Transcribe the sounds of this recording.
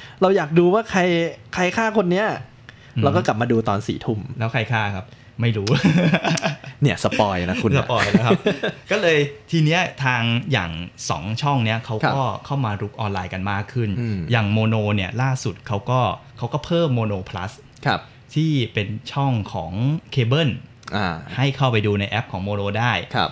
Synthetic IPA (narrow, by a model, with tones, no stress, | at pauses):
ɾa˧wjaː˨˩k̚duː˧waː˥˩kʰa˧jkʰa˧jkʰaː˥˩kʰo˧nːi˦˥ɐ | ɾa˧˥kɔː˥˩la˨˩p̚maː˧duː˧t̪ɔː˧nsḭː˩˦t̪ʰu˥˩mlɛː˦˥wkʰa˧jkʰaː˥˩kʰa˦˥p̚ | ma˥˩jɾuː˦˥ | ni˦˥˩ɐsa˧pɔː˧jna˦˥kʰu˧sa˧pɔː˧jlɛ˦˥wkʰa˦˥kɔː˥˩lɤː˧jt̪ʰiː˧ni˦˥ɐt̪ʰaː˧ŋja̰ː˨˩ŋsɔ̰ː˩˦ŋt͡ɕʰɔ˥˩ŋni˦˥ɐkʰa˦˥wɔː˥˩kʰa˥˩wmaː˧ɾu˦˥k̚ʔɔː˧nlaː˧jka˧nmaː˥˩kʰːɯ˥˩n˧jaː˨˩ŋmoː˧noː˧ni˥˩ɐlaː˥˩su˨˩t̪̚kʰa˦˥wkɔː˥˩kʰa˦˥wkɔː˥˩pʰɤː˥˩mːoː˧noː˧pʰla̰˦˥s | kʰa˦˥p̚ | t̪ʰiː˥˩pe˧nt͡ɕʰɔ˥˩ŋkʰɔː˩˦ŋkʰeː˧bɤ˥˩n | ʔa˧˩ha˥˩jkʰa˥˩wpa˧jduː˧na˧jʔɛ˦˥p̚kʰɔː˩˦ŋmoː˧noː˧daː˥˩jkʰa̰˦˥p̚